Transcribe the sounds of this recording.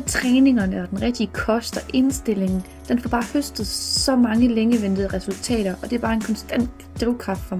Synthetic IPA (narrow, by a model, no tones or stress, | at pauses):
t͡sʰʁɛːne̝ŋɐnəɒ̽d̥enʁɛɡ̥̚d̥iəkʰɒ̽sd̥ɐʔe̝nsd̥e̝l̰e̝ŋn̩ | d̥enfɒb̥ɑ̈ːhøsd̥ð̩ˠsɒ̽mɑ̈ŋəleŋəʋen̰d̥ð̩ˠəʁɛsult͡sʰɛ̰ːɾ̥ɐʔɒ̽d̥e̝æb̥ɑ̈ːe̝nkʰɒ̽nsd̥æn̰d̥ːʁiʊkʰʁɑ̈fd̥fɒ̽m